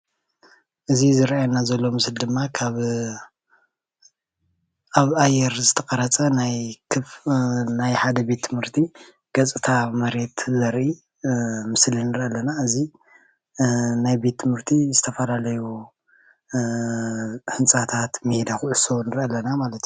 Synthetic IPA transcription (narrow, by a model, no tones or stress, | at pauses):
ʔɨzizɨɾʔajanazɐlːo̞mɨsld̪ɨmːakʰaβ | ʔaβajɛɾzɨt̪ʰɐkʼɐɾɐt͡sʼɐnajkʰɨfnajħad̪ɐbe̞t̪ːʰɨmhɨɾt̪ʰi | ɡ̥ɐt͡sʼɨt̪ʰamɐɾe̞t̪zɐɾʔi | mɨslinɨɾʔalːɐnaɨzi | najbe̞t̪ʰːɨmhɨɾt̪ʰizɨt̪ʰɐfɐlalɐju | hɨnt͡sʼat̪ʰat̪med̪axuʕɨsonɨɾʔalːɐnamalɐt̪ju